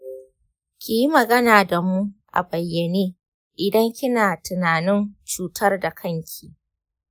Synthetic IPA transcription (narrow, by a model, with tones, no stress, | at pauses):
kʲi˨ji˦mɐ˨ɡɐ˦naː˨da˨mu˦ʔa̰˨bɐ˨jːɐ˨neː˦ | ʔɪ˨dɐ˦ŋkʲɪ˦naː˨tɪ˨naː˨nɪ˦nt͡ʃuː˨tɐ˦rda˨kʰɐ˦ŋkʲʰiː˨